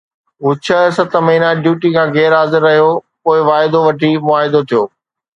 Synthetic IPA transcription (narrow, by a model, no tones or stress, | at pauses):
ɦʊt͡ɕʰəsɐt̪ʰmɐɦiːnaɖjuːʈikʰãːɣɛːɾɦaːzɪɾːɐɦijopoːɪʋaːɦɪd̪oʋɐʈʰimʊaːɦɪd̪ot̪ʰijoː